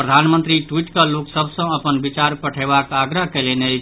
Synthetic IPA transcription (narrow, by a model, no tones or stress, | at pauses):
pɾəd̪ʱanmənt̪ɾiʈwiʈkaloksəbʱsə̃əpənbit͡ʃaɾpəʈʰebakaɡɾəɦkelene